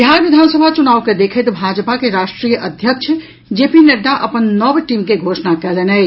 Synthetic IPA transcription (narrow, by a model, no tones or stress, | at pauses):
biɦaɾʋɪd̪ʱaːnsəbʱat͡ʃunaːʋked̪ekʰet̪bʱad͡ʒpakeɾaːʃʈɾijəʔəd̪ʱjəkt͡ʃʰə | d͡ʒeːpineɖaʔəpənnɔbʈimkeɡʱoːʃnakɛːlenɛj